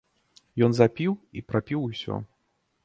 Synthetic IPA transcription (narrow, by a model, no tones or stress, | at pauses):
jɔnzapʲiwḭpɾapʲiwusʲɔ̰